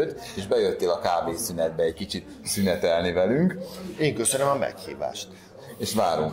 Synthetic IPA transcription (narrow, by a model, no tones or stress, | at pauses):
øt̪ː | eːʒbɛjøt̪ːeːlɒkaːbeːsynɛd̪̚bɛɛɟkit͡ʃit̪ | synɛt̪ɛlnivɛlyŋkeːŋkøsønømɒmɛ̰khḭːva̰ːʃt̪ | eːʃvaːɾuŋk